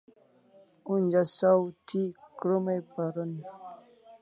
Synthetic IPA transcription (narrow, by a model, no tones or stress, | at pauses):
und͡ʑasawt̪ʰikɾumejpaɾun